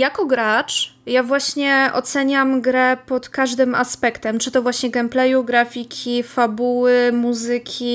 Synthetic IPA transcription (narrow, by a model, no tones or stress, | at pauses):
jakɔɡɾat͡ʂjavwaɕɲɛʔɔ̰t̪sɛɲamɡɾɛpɔt̪kaʐd̪ɘma̰spɛkt̪ɛmt͡ʂɘt̪ɔvwaɕɲɛɡɛmplɛjuɡɾafʲikʲʰifabuwɘmuzɘkʲʰi